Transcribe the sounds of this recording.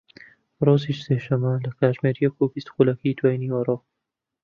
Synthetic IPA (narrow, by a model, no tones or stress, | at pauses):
rˤoːziʃseʃɐmːɐlɐkʰaːʒmeɾijɐkubist̪xulakɐjd̪waːjniwɐro